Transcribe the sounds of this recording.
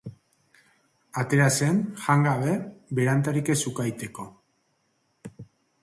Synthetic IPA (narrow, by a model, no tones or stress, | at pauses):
at̪e̞ɾase̞nʝaŋɡaβe̞βeɾant̪aɾike̞sukajt̪e̞ko̞